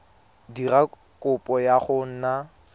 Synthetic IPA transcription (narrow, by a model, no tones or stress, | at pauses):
dira | kʼʊpʼɔjaχʊn̩na